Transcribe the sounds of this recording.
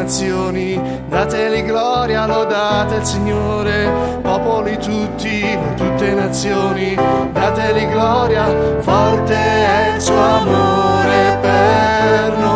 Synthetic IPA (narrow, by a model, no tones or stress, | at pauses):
t̪sːjoːni | d̪aːt̪eliɡlɔɾjalɔd̪at̪eilsiɲːoːɾe | pɔːpolit̪ut̪ːi | t̪ut̪ːenat̪sːjoːnid̪aːt̪eliɡlɔɾjavɔlt̪eɛilsuːoamoɾepeɾl